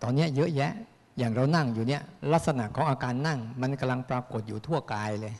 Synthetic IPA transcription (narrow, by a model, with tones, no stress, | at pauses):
t̪ɔː˧nːi˦˥ɐjɤ˦˥ʔjɛ˦˥ʔ | jaː˨˩ŋɾa˧wna˥˩ŋjuː˨˩ni˦˥˩ɐla˦˥t̪̚sa˧na˨˩ʔkʰɔː˩˦ŋʔaː˧kaː˧nːa˥˩ŋma˧nka˧mla˧ŋpɾaː˧ko˨˩t̪̚juː˨˩t̪ʰu˥˩əkaː˧jlɤː˧j